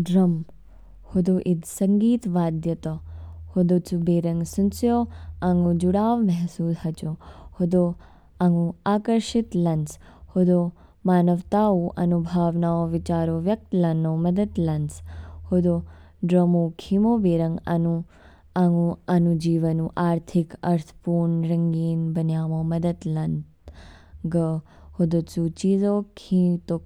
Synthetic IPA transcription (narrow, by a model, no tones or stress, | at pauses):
ɖɾɐm | hod̪oːʔid̪sɐŋɡiːt̪ʋaːd̪jɐt̪ɐhod̪ot͡subeːɾɐŋɡsunsjoːaŋɡud͡ʒuɽaːʋmɛɦsuːshɐt͡ʃohod̪oː | aŋɡuaːkɐɾʃit̪lɐnshod̪oː | maːnɐʋt̪aːuːʔɐ̰nubʱaːʋnaːoːʋit͡ʃaːɾoːʋjɐk̚t̪lɐnoːmɐd̪ɐd̪lɐnshod̪o | ɖɾɐmokʰimoːʋeːɾɐŋɡɐ̰nu | ɐŋɡuɐnud͡ʒiːʋɐnũʔaːɾt̪ʰikɐɾt̪ʰpuːɾɳɾɐŋɡiːnbɐnjaːmoːmɐd̪ɐd̪lɐnt̪ | ɡɐ | hod̪oːt͡sut͡ʃiːzoːkʰĩt̪o